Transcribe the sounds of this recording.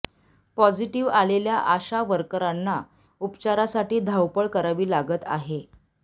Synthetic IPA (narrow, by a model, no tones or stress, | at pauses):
pɔd͡ziʈiʋaleljaʔaɕaʋəɾkəɾanːa | upt͡ɕaɾasaʈiːd̪ʱawpəɭkəɾaʋiːlaɡət̪a̰ɦe